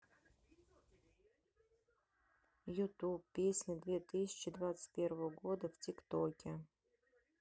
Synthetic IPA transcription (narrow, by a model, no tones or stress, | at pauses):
jut̪upːʲesʲnʲɪd̪vʲet̪ɨsʲɪ̥t͡ɕɪd̪vat̪sə̥tʲpʲeɾvəvəɡod̪əftʲikt̪okʲɪ